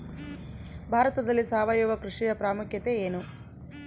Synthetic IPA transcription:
bʱaːɾɐt̪ɐd̪ɐlːisaːʋajuʋɐkɾuʂijɐpɾaːmukjɐt̪e̞eːnu

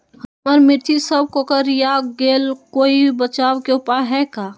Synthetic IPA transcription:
həməɾmɪɾt̪jisəb̚kokəɾjaɡeːlkoːibət͡ʃaːʋkeʊpəɽɦɛkaː

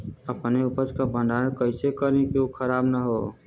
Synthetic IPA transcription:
əpneʊpəd͡ʒkabʱə̃ɳɖaːnkəɪsekəɾĩkokʰəɾaːbnaɦoː

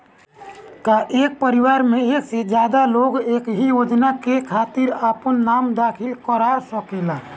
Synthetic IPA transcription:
kaʔek̚pəɾiʋaɾmeeksed͡ʒjad̪aloɡekɦijod͡ʒnakekʰat̪iɾapənːamd̪akʰilkəɾasəkela

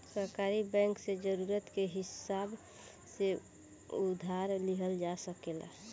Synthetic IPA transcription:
səɾkaɾibɛ̃ŋksed͡ʒəɾuɾət̪keɦɪsab | se | ud̪ʱaɾliɦəld͡ʒasəkela̰

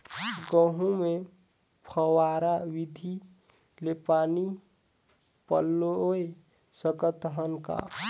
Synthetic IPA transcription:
ɡə̃ɦũme | pʰəwaɾawid̪ʱi | lepaːni | pə̰lːoe | səkət̪ɦənka̰

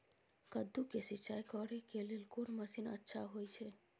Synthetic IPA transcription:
kəd̪ːukesit͡ʃajkɔɾekelelkonməsinə̰tːʃʰaɦojt͡ʃʰe

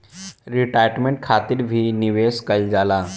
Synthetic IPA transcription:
ɾiʈajʈmeɳʈ̚kʰat̪iːɾbʱiːniʋeskəld͡zala

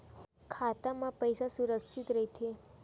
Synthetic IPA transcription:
kʰat̪amãpəjsasuɾəkʃit̪ɾəɦit̪ʰe

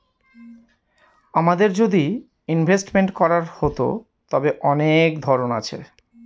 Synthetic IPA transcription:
amad̪eɾd͡ʑod̪i | inbʱesʈmeɳʈkɔɾaɾhot̪o̰ | t̪ɔbeʔɔnekd̪ʱɔɾonat͡ɕʰḛ

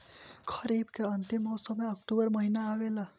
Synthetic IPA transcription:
kʰəɾibkeənt̪imːɔsəmeək̚ʈubəɾməɦinaːʋela

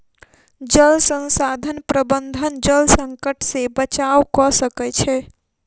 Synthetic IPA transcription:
d͡ʒəlsə̃nsad̪ʱənpɾəbənd̪ʱənd͡ʒəlsəŋkəʈʰsebət͡ʃawkɔsəkɛt͡ʃʰɛ

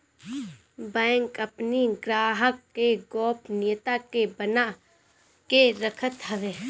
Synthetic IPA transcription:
bɛ̃ːŋkɐpniɡɾaːɦəkːeɡɔːpnɪjt̪akebəna | keɾəkʰət̪ɦɐʋeː

